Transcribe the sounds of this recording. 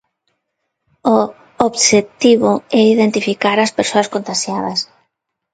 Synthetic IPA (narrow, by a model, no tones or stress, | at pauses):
o | oβʃet̪iβʊɛiðent̪ifikaɾɐspeɾsoɐskont̪aʃjaðɐs